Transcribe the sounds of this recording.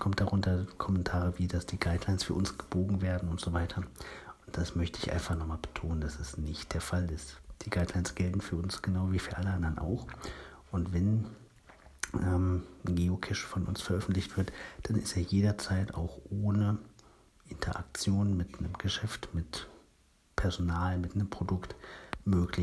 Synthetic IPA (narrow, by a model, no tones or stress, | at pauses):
kʰɔmt̚d̥aʁʊntɐkʰɔmɛntʰaːʁəviːdasd̥iːɡaɪdlaɪnsfyːɐʔʊnsɡ̥əb̥oːɡŋ̩veːɐdn̩ʊntz̥ovaɪtʰɐʊntd̥asmœçtəɪçʔa̰ɪnfaχnɔχmaːlb̥ə̥tʰoːnənd̥asɛsnɪçt̚d̥eːɐfalɪstd̥iːɡaɪdlaɪnsɡ̥ɛltn̩fyːɐʊnsɡ̥ənaʊviːfyːɐʔaləʔandɐəna̰ʊxʔʊntv̥ɛn | ʔɛːmɡeːokʰɛʃfɔnʔʊ̰nsfɛɐʔœfn̩tlɪçtv̥ɪɐtd̥anɪsteːɐjeːdɐt͡saɪta̰ʊxʔoːnə | ʔɪntʰɐ̰ʔa̰k̚t͡sjoːnəmɪtnəmɡəʃɛftmɪt | pʰɛɐzonaːlmɪtnəmpʁ̥odʊktmøːklɪ